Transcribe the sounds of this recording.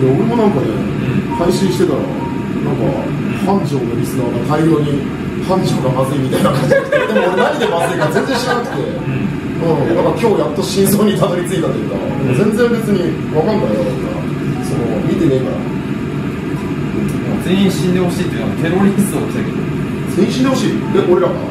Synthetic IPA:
d̪eoɾe̞mo̞nãŋkanḛ̃ | haiɕĩɰ̃ɕi̥t̪et̪aɾa̰ | nãŋka̰ | hãɲd͡ʑo̞ːnoɾʲisɨnaːd̪at̪ʰaiɾoːɲ̟i | hãɲ̟d͡ʑo̞ːɡamazɨimʲit̪ainakãɲ̟d͡ʑiakd̪emoɾenaɲ̟id̪e̞mazɨikaɾazẽ̞nzẽ̞ɕiɾanakɯ̟̥t̪e̞ | ɯ̃d̪akaɾakʲo̞ːjat̪ːoɕĩso̞ːɲ̟it̪ad̪oɾʲit͡sɨit̪at̪ojɯ̟ka̰d̪emozẽnd͡zẽmbe̞t͡sɨɲ̟i | βakãnd̪aɾenaka̰ | sono̞mʲit̪e̞ne̞ːkaɾa̰ | azẽ̞ĩɕĩnd̪e̞ho̞ɕiːt̪ojiɨ̟at̪ʰe̞ɾoɾʲisɨokʲi̥t̪aked̪o̰ | z̥ẽːhĩɕĩnd̪e̞ho̞ɕḭːd̪eʔo̞ɾe̞ɾaɡa̰

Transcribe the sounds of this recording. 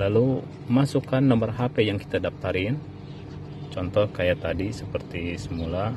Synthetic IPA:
lalu | masukanːəmbərɦapɛjaŋki̥t̪adap̚t̪aɾɪn | t͡ʃɔnt̪ɔhkajat̪adisəpərt̪isəmula

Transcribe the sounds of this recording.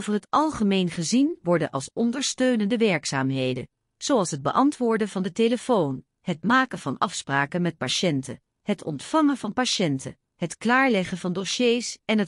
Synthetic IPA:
owvərɦətʔɑlˠχəmejnχəzinʋɔɹdənʔɑlˠsɔndəɹstøɥnəndəʋɛɹksa̰ːmɦejdə̰ | z̥oɑlˠsɦəd̚bə̰ʔɑntʋʊːɹdəvɑndəteləfown | hətmaːkənv̥ɑnɑfspraːkənmɛt̚paʃɛntə̰ | hətɔ̰ntfɑŋəvɑnpaʃɛntə̰ | ɦətklaːɹlɛχənvɑndoʃejsɛnɦə

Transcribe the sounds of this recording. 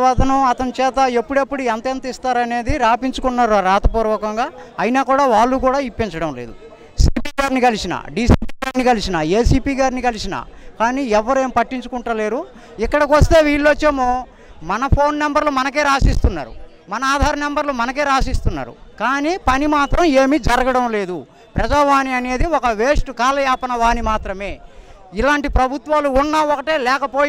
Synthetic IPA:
ʋaːt̪ɐnuɐt̪ɐnut͡ʃɛːt̪ɐepːuɽepːuɽuent̪ɐent̪ɐist̪aːɾɐne̞ːd̪iɾaːpiɲt͡ʃukunːaːɾuaɾaːt̪ɐpuːɾʋɔːkɐŋɡaː | ɐjnaːkuːɽaːʋaːɭːukuːɽaːipːiɲt͡ʃɐɽɐmleːd̪u | siːpiːɡaːɾnikɐlisinɐ̰ɖiːsiːpiɡaːɾnikɐlisinɐe̞ːsiːpiːɡaːɾnikɐlisinɐ̰kaːniːɛʋːɐɾe̞ːmpɐʈːiɲt͡ʃukuɳʈɐle̞ːɾu | ikːɐɽɐkʋɐst̪e̞ːʋiːɭːot͡ʃːeːmoː | mɐnɐpʰo̞ːnːembɐɾlumɐnɐk̬e̞ːɾaːsist̪unːa̰ːɾṵ | mɐnɐaːd̪ʱaːɾɐmɛmbɐɾlumɐnɐke̞ːɾaːsist̪unːa̰ːɾṵkaːniːpɐnimaːt̪ɾɐme̞ːmid͡ʒɐɾɐɡɐɽɐmle̞ːd̪u | pɾɐd͡ʒaːʋaːniɐne̞ːd̪iɔkɐʋe̞ːsʈukaːlɐjaːpɐnɐʋaːnimaːt̪ɾɐme̞ː | ilaːɳʈipɾɐbʱut̪ʋaːluːnːɐɔkɐʈeːlɛːkɐpo̞ː

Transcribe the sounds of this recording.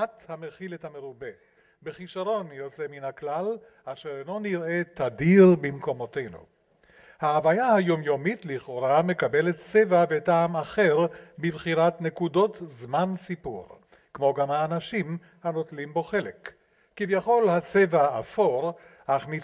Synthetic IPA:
athameχilethameʁube̞ | beχiʃaʁo̞njo̞t͡se̞minhaklal | ʔaʃeʁeno̞niʁe̞t̪adiʁbimko̞mo̞tejnṵ | haːvajahajo̞mjo̞mitliχo̞ɾame̞kabe̞lett͡sevavetaːmaχe̞ʁbibχiʁatne̞kudo̞tzmansipṵʁ | kmo̞ɡamhaːnaʃim | hano̞tlimbo̞χe̞lekː | ivjaχo̞lhat͡sevaafo̞ʁʔaχni

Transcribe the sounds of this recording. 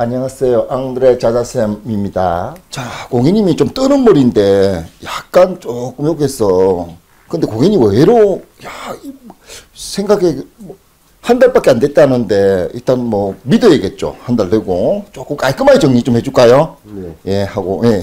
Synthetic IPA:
aɲaŋas͈ejoʔaŋdɾet͡ɕad͡ʑasʰemimɲida̰t͡ɕakoŋiɲimit͡ɕomt͈ɯnɯnmʌɾinde̞jak̚k͈ant͡ɕok͈ɯmjoɡɦe̞s͈ʌ | kɯnde̞koŋiɲimʌeɾojai | sʰe̞ŋɡaɡem | handaɭp͈ak͈eande̞t̚t͈anɯnde̞ḭɭt͈anmʌmidɯeɡe̞t̚t͡ɕ͈o̰handaɭtɯɡot͡ɕok͈ɯmk͈aik͈ɯmait͡ɕʌŋɲit͡ɕomhe̞d͡ʑuɭk͈ajoje̞haɡoje̞

